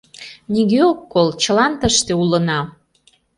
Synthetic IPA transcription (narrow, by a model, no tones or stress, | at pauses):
niɣeokːolt͡ɕə̆lɑnt̪əʃt̪eulənɑ